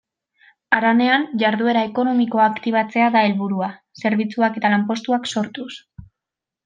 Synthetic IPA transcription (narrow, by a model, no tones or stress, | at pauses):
aɾane̞anʝaɾðue̞ɾae̞ko̞no̞miko̞aːkt̪iβ̞at͡se̞aðae̞lβuɾua | se̞ɾβ̞it͡suake̞t̪alampo̞st̪uakso̞ɾt̪us